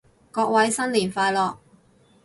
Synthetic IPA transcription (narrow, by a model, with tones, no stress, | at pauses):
kɔː˧k̚wɐ˨˥jsɐ˥nliː˨˩nfaː˧lɔː˨k̚